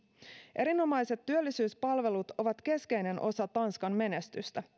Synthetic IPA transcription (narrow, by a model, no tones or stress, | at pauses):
ʔe̞ɾino̞mɑjse̞t̪ːyølːisyːspɑlʋe̞lut̪o̞ʋɑt̪k̟e̞ske̞jne̞nʔo̞sɑt̪ɑnskɑnme̞nest̪yst̪æ